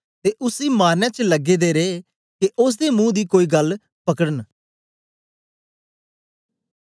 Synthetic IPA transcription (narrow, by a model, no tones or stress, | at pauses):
t̪eːʔʊsiːmaːɾnaːt͡ʃləɡeːd̪eːɾeː | keʔʊs̬d̪eːmũːd̪iːkoːiːɡəl | pəkəɽən